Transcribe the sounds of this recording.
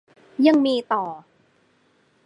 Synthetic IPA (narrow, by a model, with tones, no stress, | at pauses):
ja˧ŋmiː˧t̪ɔː˨˩